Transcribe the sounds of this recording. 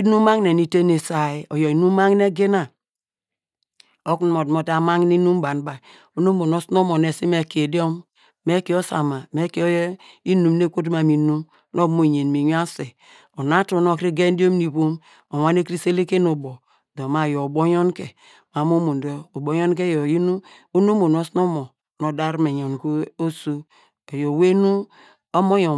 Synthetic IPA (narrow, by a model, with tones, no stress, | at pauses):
i˦nu˦ma˦ŋne˨ni˨te˦ne˨sa˨i˨o˨jo˨i˨nu˦ma˦ŋ˦ne˦ɡe˦na˨ | o˦kn˨mo˨dmo˨ta˨ma˦ŋ˦ni˦nu˦m˦ba˨n˦ba˨ | o˨no˦mo˨no˦sno˦mo˨ne˨si˦me˨ke˨di˦o˦m | me˦ki˨˦o˦sa̰˨ma˨me˦ke˦o˦j | i˦nu˨m˦ne˦kʷo˦t̬ma˨mi˨nu˦m | no˦kmo˨ɲe˨n˨mi˨ɲ˦a˦se˨ | o˨na˦to˨no˨kɾi˦ɡe˦n˦di˦o˦m˦ni˨βo˦m | o˨wa˦ne˦kɾi˦se˦le˦ke˦no˨bo˨ | do˨ma˨jo˨bo˦jo˦nke˨ | ma˨mo˦mo˨ndo˦o˨bo˦jo˦n˦k̬e˦jo˨ji˦nu˦ | o˦no˦mo˨no˦sno˦mo˨ | no˨da˦ɾme˨ɲo˨n˨ko˦o˦so˦ | o˨jo˨we˦nu˦ | o˦mo˦jo˨